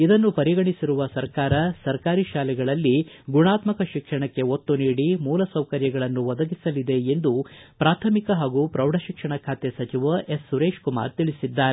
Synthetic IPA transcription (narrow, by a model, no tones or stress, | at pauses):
id̪ɐnːupɐɾiɡɐɳisiɾuʋɐsɐɾkaːɾɐsɐɾkaːɾiʃaːlɛɡɐɭɐlːiɡuɳaːt̪mɐkɐʃikʂɐɳɐkːe̞ot̪ːuniːɽimuːlɐsɐwkɐɾjɐɡɐɭɐnːuʋɐd̪ɐɡisɐlid̪e̞end̪upɾaːt̪ʰɐmikɐɦaːɡuːpɾɐwɖʱɐʃikʂɐɳɐkʰaːt̪esɐt͡ʃiʋɐʔe̞sːuɾeːʃkuma̰ːɾt̪iɭisid̪ːaːɾe